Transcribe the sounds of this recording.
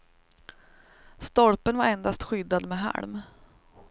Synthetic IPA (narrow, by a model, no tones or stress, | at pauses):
st̪ɔlpənvaɾɛnd̪ast̪ɧʏd̪ːad̪mɛɦæ̰ɭm